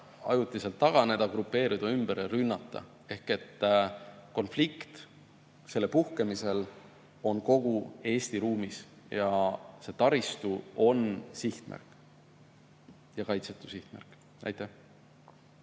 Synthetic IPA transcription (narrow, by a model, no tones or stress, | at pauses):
ɑ̰jut̪ːˑiselt̪ːɑɡ̥ɑne̞d̪̥ɑɡ̥ɾupːe̞ːɾid̪̥ɑymb̥eɾeɾynːɑt̪ˑːɑ̰ | e̞hke̞t̪ːko̞nflikt̪ | se̞lːepuhkemise̞l | o̞nko̞ɡ̥ue̞ːst̪iɾuːmis | jɑse̞t̪ɑɾist̪uo̞nsiht̪mʔæ̰rkˑ | jɑkɑjt̪set̪ːˑu̥siht̪mæ̰rkˑ | nʔæ̰jt̪ːˑæh